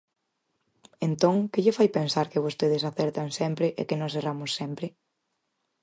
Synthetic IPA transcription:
ent̪õŋkɪʎɪfajpensaɾkɪβ̞ost̪eðɪsaθɛɾt̪aŋsɛmpɾɪʔḛkɪnɔseramʊsːɛmpɾɪ

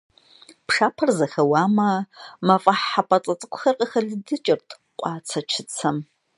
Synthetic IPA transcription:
pʂaːpʰɐrzɐxɐwaːmɐmɐfʼɐħːapʼɐt͡sʼɐt͡sʼɨkʷʰʼʊ̥xɐrqʼəxɐɮɨdɨt͡ʃʼɪrtʰʼ | qʷʼɑːt͡sʰɐt͡ʃʰɪt͡sʰɐm

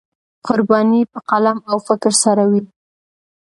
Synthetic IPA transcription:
qʊɾbɑnipəqalamawfɪkɾsaɾawi

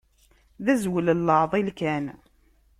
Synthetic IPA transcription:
ðæzwələlːəʕðˤilkæn

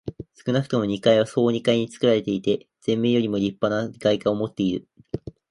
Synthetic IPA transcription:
sɨ̥kɯ̟nakɯ̟t̪o̞mo̞ɲ̟ikaiβ̞aso̞ːɲ̟ikaiɲ̟it͡sɨ̥kɯ̟ɾaɾe̞t̪e̞it̪e̞ | z̥ẽ̞mːejo̞ɾʲimo̞ɾʲipːanaɡaikaomo̞t̪ːe̞iɾɯ̟

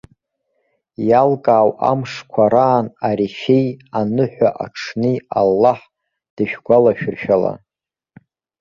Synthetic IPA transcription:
jalkʼaːwa̰mʂkʷʰaɾaːnaɾiʃejanɨħʷᶣaʔaʈ͡ʂʰnɨalːaħ | d̥aʃᶣɡʷalaʃᶣʊrʃᶣala̰

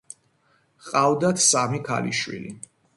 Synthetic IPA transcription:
qʼavd̪at̪ʰsamikʰa̰liʃwḭlḭ

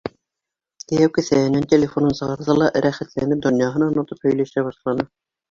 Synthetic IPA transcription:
t̪ɘ̆jæwkɘ̆sæhɘ̆nænt̪ʲelʲefo̞nɤnsɤ̆ʁɑɾðɑlˠɑʔɾæχæt̪lænɘp̚d̪ŏnjɑɦɤnɑnŏt̪ɤphɵ̆jlæʃæbɑʃlˠɑnɤ

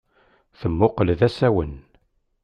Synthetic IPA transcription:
θəmːʊqəlðæsæwən

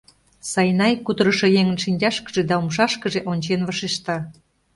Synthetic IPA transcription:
sɑjnɑjkud̪əɾəʃɤ̆jeŋənʃinʲd͡ʑɑʃkə̥ʒed̪ɑumʃɑʃkəʒeʔonʲt͡ɕenvəʃeʃt̪ɑ

